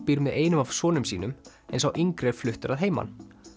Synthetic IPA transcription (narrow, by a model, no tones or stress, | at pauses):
piːɾmɪðeːjnʏmav̥sɔːnʏmsḭːnʏm | ɛnsawʔiŋkɾɛɾ̥flʏht̪ʏɾaðɦeːjma̰n